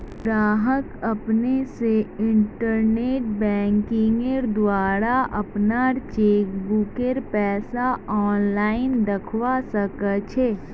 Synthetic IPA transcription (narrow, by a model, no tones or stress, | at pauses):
ɡɾaːɦəkɐpneseɪ̃ɳʈəɾneːʈ̚bɛ̃ːŋkɪ̃ŋɡəɾd̪waːɾaʔɐpnaɾt͡ʃeːkbukeɾpɛːsaɔːnlaːɪnd̪ɐkʰwasəkət͡ʃʰeː